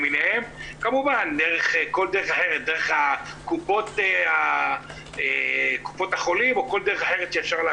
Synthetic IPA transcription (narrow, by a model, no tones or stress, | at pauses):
minehe̞mkamuvand̪eʁeχko̞ld̪eʁeχaħe̞ʁet̪̚d̪eʁeχakupo̞t̪ea | eku̥po̞t̪aχo̞limo̞ko̞ld̪eʁeχaħe̞ʁet̪ʃeːfʃaʁla